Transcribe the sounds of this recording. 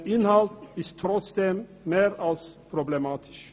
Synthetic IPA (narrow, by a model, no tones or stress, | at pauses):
ɪnhɑlt̪n̩ɪst̪ʰɾɔt̪sd̪ɛmːeːɾɑlspʰɾʊblɛmɑːt̪ʰɪ̥s